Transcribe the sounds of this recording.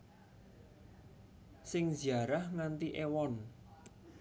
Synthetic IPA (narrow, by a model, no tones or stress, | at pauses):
sɪŋziaɾahŋant̪iʔewɔn